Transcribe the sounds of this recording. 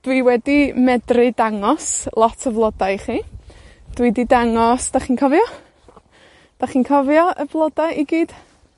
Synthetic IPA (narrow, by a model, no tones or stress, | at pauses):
d̥wiwɛdimɛdrɨdaŋɔslˠɔtʰəvlˠɔdajχiː | d̥wididaŋɔsd̥aχiːnkʰɔvjɔ | d̥aχiːnkʰɔvjɔʔəvlˠɔdaiɡiːd̥